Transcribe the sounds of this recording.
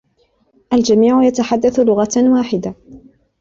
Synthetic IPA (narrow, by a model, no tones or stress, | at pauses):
ʔald͡ʒamiːʕʊjat̪aħad̪ːaθlʊɣawaːħɪd̪a